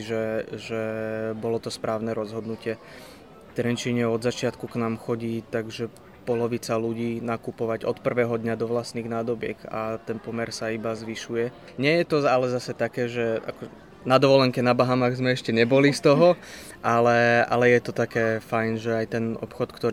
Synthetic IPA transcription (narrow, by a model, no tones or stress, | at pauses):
ʒɛʒɛbɔlɔt̪ɔspɾaːʊnɛɾɔzɦɔd̪nucɪɛ | t̪ɾɛnt͡ʃiɲɛɔd̪zat͡ʃɪat̪kuknaːmxɔɟiːt̪aɡʒɛ | pɔlɔʋit͡saluɟiːnakupɔʋaɟɔt̪pr̩ʋɛːɦɔd̪ɲad̪ɔʋlast̪niːɣnaːd̪ɔbɪɛ̰ɡa̰t̪ɛnpɔmɛɾsaibazʋiʃujɛ | ɲɛjɛt̪ɔalɛzasɛt̪akɛːʒɛa̰kɔ | nad̪ɔʋɔlɛŋkɛnabaɦamaɣzmɛɛʃcɛɲɛbɔlist̪ɔɦɔ | ʔalɛa̰lɛjɛt̪ɔt̪akɛːfajnʒɛajt̪ɛnɔ̰pxɔt̪kt̪ɔ